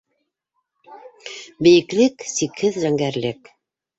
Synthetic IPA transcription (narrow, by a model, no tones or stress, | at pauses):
bɘ̆jɘ̆klɘksikhɘðʒæŋɡæɾlɘk